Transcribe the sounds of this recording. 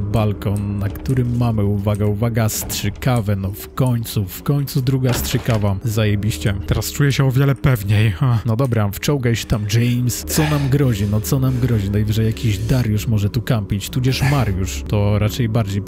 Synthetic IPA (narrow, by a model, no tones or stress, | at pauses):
balkɔnnakt̪uɾɘmːamɘuvaɡɛuvaɡastʂɘkavɛnɔfkɔɲt̪sufkɔɲt̪sud̪ɾuɡastʂɘkavazːajɛbʲiɕt͡ɕɛt̪ɛɾast͡ʂujɛɕɛɔvʲjɛlɛpɛvɲejanɔd̪ɔbɾaft͡ʂɔwɡajɕɛ̥t̪amd͡ʒɛjmst̪sɔnamɡɾɔʑinɔt̪sɔnamɡɾɔʑinajvɘʐɛjakʲiʑd̪aɾjuʂmɔʐɛt̪ukampʲit͡ɕt̪ud͡ʑɛʂmaɾjuʂt̪ɔɾat͡ʂɛjbaɾd͡ʑej